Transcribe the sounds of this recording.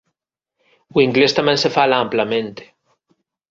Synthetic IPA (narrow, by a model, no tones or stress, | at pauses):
wiŋɡlest̪amjensefalaamplamẽnt̪e̥